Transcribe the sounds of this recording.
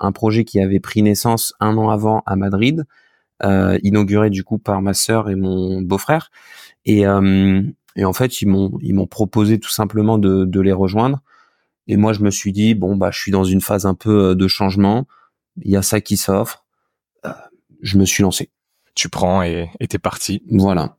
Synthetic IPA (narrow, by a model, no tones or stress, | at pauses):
ɛ̰̃pχɔʒɛkʲiavɛpχinɛsɑ̃sɛ̃nɑ̃avɑ̃ʔa̰mad̪ʁid̪ | ø̰inɔɡʲyʁed̪ykupaʁmasœʁemɔ̃bofχɛːʁ | eøm | eɑ̃fɛt̪ilmɔ̃ḭlmɔ̃pχɔpozet̪u̥sɛ̃pləmɑ̃d̪əd̪əleʁəʒwɛ̃d̪ʁ | emwaʒəməsɥid̪ibɔ̃ba̰ʒəsɥid̪ɑ̃zynfazɛ̃pøød̪əʃɑ̃ʒmɑ̃ | iljasakʲisɔfχ | ø | ʒəməsɥilɑ̃se | t̪ypχɑ̃eːt̪ɛpaʁt̪ʰivwala̰